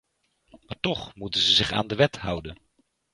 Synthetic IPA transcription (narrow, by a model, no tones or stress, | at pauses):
maːɹtɔχmutənzəzɪχa̰ːndəʋɛtɦʌwdən